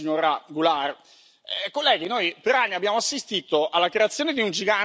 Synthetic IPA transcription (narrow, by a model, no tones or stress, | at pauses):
iɲoɾaɡular | kolːɛːɡ̟inojpeɾanːiabːjaːmoasːist̪it̪oʔalːakɾeat̪sjoːned̪iund͡ʒiɡa